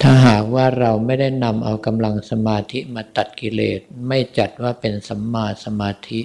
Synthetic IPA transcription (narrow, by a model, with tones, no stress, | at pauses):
t̪ʰaː˥˩ɦaː˨˩k̚waː˥˩ɾa˧wma˥˩jda˥˩jna˧mʔa˧wka˧mla˧ŋsa˧maː˧t̪ʰi˦˥maː˧t̪a˨˩t̪̚ki˧leː˨˩t̪̚ma˥˩jt͡ɕa˨˩t̪̚waː˥˩pe˧nsa˨˦mːaː˧sa˧maː˧t̪ʰi˦˥ʔ